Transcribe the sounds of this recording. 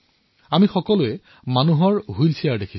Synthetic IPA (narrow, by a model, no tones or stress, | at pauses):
amixɔkɔlʊɛ | manuɦɔɹɦujlsʰijaɹdekʰi̥